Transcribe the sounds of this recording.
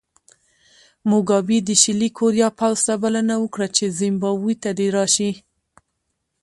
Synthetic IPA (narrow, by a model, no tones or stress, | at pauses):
mʊɡɑbid̪əʃɪlikʰoɾjɑpawz̥t̪abalanawəkɽat͡ʃezɪmbɑbujt̪ad̪eɾɑʃi